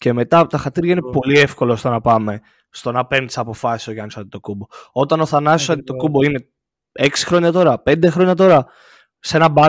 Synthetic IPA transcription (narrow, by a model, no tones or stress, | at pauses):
ce̞me̞t̪ɐpot̪ɐxɐt̪iɾʝɐinepo̞lie̞fko̞lost̪onɐpɐme̞ | st̪o̞nɐpe̞ɾnd̪i̥sɐpo̞fɐsi̥sokɐnisot̪it̪okubo̞o̞t̪ɐno̞θɐnɐsisɐt̪it̪o̞kubo̞ine̞ | e̞ksi̥xɾo̞ɲɐt̪o̞ɾɐpe̞nd̪e̞xɾoɲɐt̪o̞ɾɐ | se̞nɐbɐ